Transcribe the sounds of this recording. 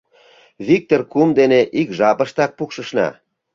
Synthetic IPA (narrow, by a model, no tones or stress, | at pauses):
βik̚t̪orkumd̪eneʔikʒɑpə̆ʃt̪ɑk̚pukʃə̆ʃnɑ̰